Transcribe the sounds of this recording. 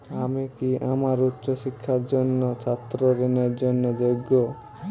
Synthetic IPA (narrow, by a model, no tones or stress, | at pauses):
amekiʔamaɾutːʃɔsikʰːaɾd͡ʒɔnːɔt͡ʃʰat̪ɾɔɾeneɾd͡ʒɔnːɔd͡ʒɔɡɔ